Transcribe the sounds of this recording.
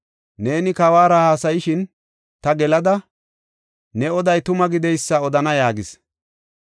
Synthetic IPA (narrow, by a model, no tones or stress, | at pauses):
ne̞ːnɪkɐwaːɾɐhaːsɐjɪʃɪn | t̪ɐɡɛlɐd̪ɐ | nɛɔd̪ɐjt̪ʊmɐɡɪd̪ɛjsːɐɔd̪ɐnɐjaːɡɪs